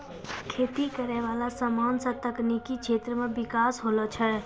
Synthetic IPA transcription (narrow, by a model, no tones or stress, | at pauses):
kʰet̪ikəɾɛʋalasəmansət̪əknikit͡ʃʰet̪ɾəmẽbikasɦolɔt͡ʃʰə